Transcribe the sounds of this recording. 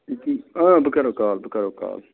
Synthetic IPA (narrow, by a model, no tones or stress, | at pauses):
ik̪iːãːbəkəɾoːkaːlbəkəɾoːka̰ːl